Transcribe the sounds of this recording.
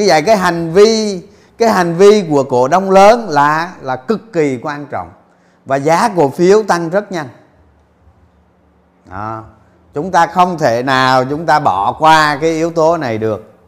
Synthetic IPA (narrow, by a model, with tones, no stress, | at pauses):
ɲɨ˧və̰˧˨jkaː˨˦jɦa˨˩jŋ̟vi˧ | kaː˨˦jɦa˨˩jŋ̟vi˧ku˧˩əko̰˧˩˨ɗə˧wŋ͡mləː˨˦nlaː˨˩laː˨˩kɨ˨˩kːi˨˩kwaː˧nt͡ɕɔ̰˧˨wŋ͡m | vaː˨˩zaː˨˦ku˧˩əfi˨˦əwt̪a˧ŋzə˦˥t̚ɲa˧n | ɗɔ˧˨˩ | t͡ɕʊ˨˦ŋ͡mt̪aː˧xə˧wŋ͡mt̪ʰe˧˩naː˨˩wt͡ɕʊ˨˦ŋ͡mt̪aː˧ɓɔ˧˩˨kwaː˧kaː˨˦jʔi˨˦əwt̪o˨˦na˨˩jɗɨ˨˩ək̚